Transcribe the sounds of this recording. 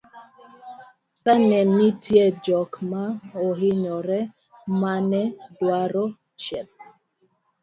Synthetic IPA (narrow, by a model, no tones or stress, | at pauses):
kanɛnːitjɛd͡ʒɔkmaɔɦɪɲɔɾɛ | manɛdwaɾɔ | t͡ʃɛp̚